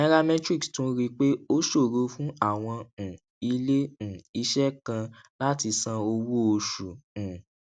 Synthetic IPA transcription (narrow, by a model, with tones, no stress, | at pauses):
ɛ̃˦ɾa˦mɛ̃˦tɾi˦˨kstũ˨˦ɾi˦k͡pe˦o˦ʃo˦˨ɾu˧˦fũ˦a˦˨w̃ɔ̃˧˨ | i˧˦lẽ˦˨i˧˦ʃɛ˦kã˧la˦ti˧sã˧o˧wu˦o˧ʃu˨ũ˨